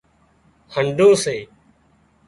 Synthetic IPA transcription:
həɳɖʱõːseː

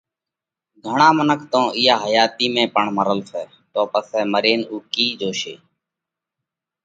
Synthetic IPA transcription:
ɡʱəɳãːmənəkʰt̪õːʔɪjaːɦəjaːt̪iːmẽːpəɳməɾəlsɛː | t̪oːpəsɛːməɾeːnuːkiːd͡ʒoːʃḛː

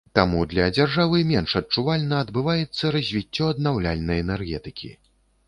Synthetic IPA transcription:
t̪amud̪lʲɐd͡zʲarʐavɨmʲɛnʂɐt̚t͡ʂuvalʲnɐːd̪bɨvajɛt̪sːɐɾɐzʲvʲit͡sʲːɔɐd̪̚nawlʲalʲnɐjɛnɛrɣʲɛt̪ɨkʲḭ

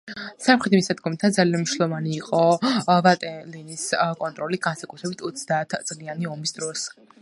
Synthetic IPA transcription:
samχɾɛt̪ʰimisad̪ɡɔmit̪ʰad̪zalianmiʃlˠɔvaniːqʼɔvat̪ʼɛliniskʼɔnt̪ʼɾɔliɡansakʼut̪ʰɾɛbit̪ʰɔt̪sʰd̪aːt̪ʰt̪sʼlianiɔmisd̪ɾɔs

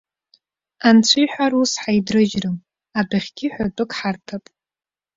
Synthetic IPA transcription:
ant͡sʷʰijħʷᶣarusħajdrɨʒrɨm | abaχʲɡʲɪħʷᶣartʼɨkʼħartʰapʼ

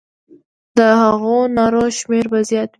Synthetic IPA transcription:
d̪̥əhaɣonɑɾoʃmeɾbazjɑt̪

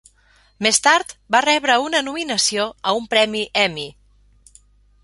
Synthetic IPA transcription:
mest̪aɾt̪barɛβɾəunənuminəsioəumpɾɛmiʔɛmi

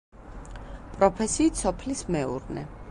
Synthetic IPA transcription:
pʼɾɔpʰɛsiːt̪sʰɔpʰlismɛṵɾnɛ̰

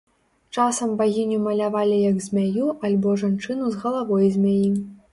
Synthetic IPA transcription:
t͡ʂasɐmbaɣʲinʲumɐlʲavalʲijɐɡzʲmʲajuʔalʲbɔʐant͡ʂɨnuzɣɐlˠavɔjzʲmʲajim

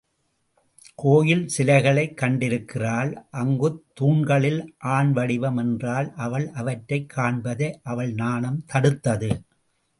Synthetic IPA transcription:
kʰoːjɪlsɪlɐɪɣɐɭɐɪkːɐɳɖɪɾɯkːɪraːlʔɐŋɡɯt̪ːuːɳɡɐɭɪlʔaːɳʋɐɽɪʋɐmɛndraːlʔɐʋɐɭʔɐʋɐʈɾɐɪkʰːaːɳbɐðɐʔɐʋɐɭnaːnɐmt̪ɐɽɯt̪ːɐðɯ

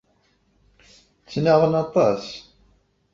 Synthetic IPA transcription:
t͡sːnaʁənɑt̪ˤɑs

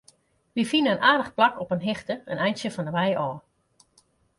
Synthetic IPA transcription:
ʋifinəənaːdəχplakɔpənɦɪxtəənɛjnsjəfɔndəʋɛjɔː

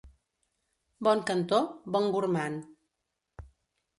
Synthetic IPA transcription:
bɔŋkənt̪obɔŋɡuɾman

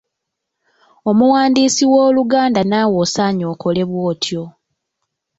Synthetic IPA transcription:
o̞muwaːndiːsiwo̞ːluɡaːndanawo̞saːɲo̞ːkʰo̞le̞βwo̞ːtʰjo̞

